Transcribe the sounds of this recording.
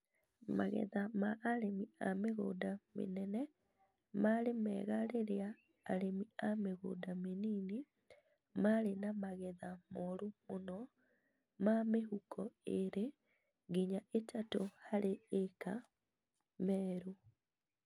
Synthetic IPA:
ma̰ɣɛ̰ðamaʔːɾemiameɣo̰ːdamḛnɛnɛ | maɾemɛ̰ːɣaɾeɾea̰ː | ɾemiameɣo̰dameniːni | maɾenamaɣɛðamoɾumonɔ | mameɦukʰɔeɾe | ɡiɲaetʰatohaɾeeka | mɛːɾu

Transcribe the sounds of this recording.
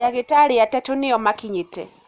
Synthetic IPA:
aɣitalijatɛtuniɔmakiɲitɛ̰

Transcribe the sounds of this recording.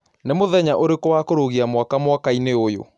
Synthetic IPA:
nemoðɛɲaʔoɾekowakoɾoɣiamwakamwakaineojo̰

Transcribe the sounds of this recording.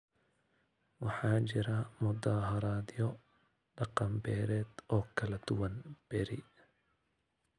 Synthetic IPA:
wɑħɑːt͡ʃɪɾɐmʊd̪aːɦɐɾaːd̪jɔ | ɖɑqɑmbɛːɾɛːd̪ɔːkʰɐlɐd̪̥ʊwɐnb̥ɛɾɪ

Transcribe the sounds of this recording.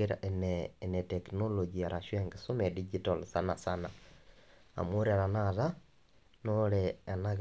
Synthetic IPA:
eɾa̰ʔɛnɛːnɛtɛknolod͡ʒiaɾʔaʃwɛŋɡesomɛdid͡ʒitɔlsanasana | a̰moɾaɾanaða | nolɛːnaɣ

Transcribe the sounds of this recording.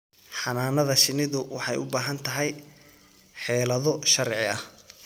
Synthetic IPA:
ħɑnaːnɐðɐʃɪnɪðʊwɑħɑjʊ̰baːɦɐnt̪ʰɐɦɛj | ħɛːlɐðɔʃɐɾʕɪɐh

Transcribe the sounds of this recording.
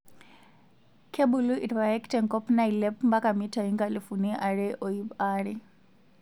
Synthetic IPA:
kʰebuluʔitpajɛktɛŋkɔpnailɛpmbakamitʰaiŋɡalifuniʔaɺɛʔɔibaːɺɛ

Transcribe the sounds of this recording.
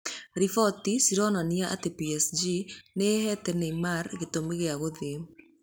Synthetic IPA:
ɾifɔtisiɾɔnaniaʔa̰tepiɛsd͡ʒinehɛtɛneimaɾɣetomeɣeaɣoðe

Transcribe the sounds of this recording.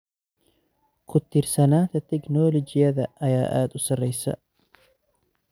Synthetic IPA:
kʰʊt̪ɪrsɐnaːt̪ʰɐt̪ɛknɔːlɔd͡ʒɪjɐðɐʔɐjaːʔa̰ːd̪ʊsɐrɛjsɐ̰

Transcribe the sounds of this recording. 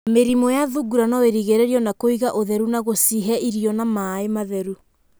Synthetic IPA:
meɾimɔjaðuɡuɾanɔweɾiɣeɾeɾiɔnakoiɣaʔoðɛɾunaɣosiɦɛiɾiɔnamaːemaðɛɾu

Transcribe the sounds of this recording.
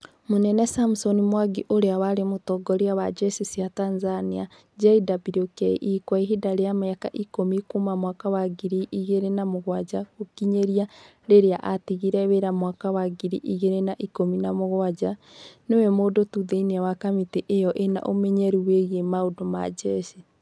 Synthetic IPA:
monɛnɛsamsɔnimwaɡiʔoɾeawaɾemotɔɡɔɾiawad͡ʒɛsisiatanzania | d͡ʒaidabiɾokɛ̰ʔikwaiɦidaɾeamaaka̰ʔikomikomamwakawaɡiɾiʔiɣeɾenamoɣwad͡ʒaɣokiɲeɾia | ɾeɾeaʔatiɣiɾɛweɾamwakawaɡiɾiʔiɣeɾenaʔikominamoɣwad͡ʒanewɛmodotuðeinwakamiteʔejɔʔena̰ʔomɛɲɛɾuweɣemaodoma̰d͡ʒɛsi

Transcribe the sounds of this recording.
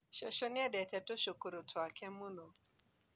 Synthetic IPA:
ʃɔʃɔniɛdɛtɛtoʃukuɾutʰuakʰɛmunɔ

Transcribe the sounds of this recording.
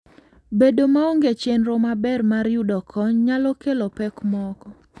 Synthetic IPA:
bedomaoŋɡet͡ʃenɾomabɛrmaɾjudɔkʰɔɲɲalɔkelopɛkmɔkɔ

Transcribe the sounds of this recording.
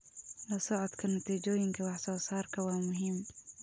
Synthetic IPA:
lɐsɔʕɔd̪kʰɐnɐt̪ʰiːt͡ʃɔːjɪŋkʰɐwɑħsɔːsaːrkʰɐwɑːmʊɦiːm

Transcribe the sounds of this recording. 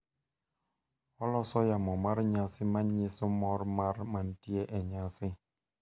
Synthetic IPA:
ɔlɔsɔjamɔmaɾɲasimaɲisumɔɾmaɾman̩tiɛʔɛɲasi

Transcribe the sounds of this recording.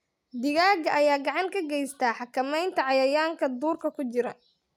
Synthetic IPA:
d̪ɪɣaːɡɐʔɐjaːɡɑʕɑŋkʰɐɡɛjst̪ʰaːħɑkʰɐmɛjnt̪ʰɐʕɑjɐjaːŋkʰɐd̪uːrkʰɐkʰʊt͡ʃɪɾɐ

